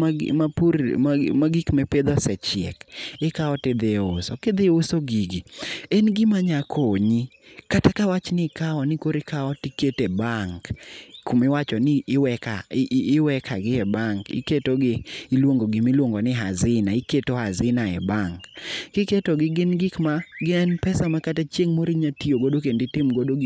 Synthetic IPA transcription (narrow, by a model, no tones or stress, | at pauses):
apuɾmaɡikmɛped̪ɔsɛt͡ʃɪɛ̰kɪkaɔtɪd̪eosɔkɪd̪ɪosoɡiɡienɡɪmaɲakʰoɲi | katakawat͡ʃnɪkaɔnɪkoɾɪkʰaɔtiketebaŋkkʰumɪwat͡ʃɔnɪʔːwɛkaɪːwɛkʰaɡɪɛbaŋkɪ̰ketoɡɪːlwoŋɡoɡimilwoŋɡonɪɦa̰zɪnaɪketohazɪnaɛ̰baŋkɡ̥ɪketoɡɪɡɪnɡɪkmaɡɪɛnpɛsamakatat͡ʃjeŋmoɾiɲatioɡodokendɪtɪmɡodoɡ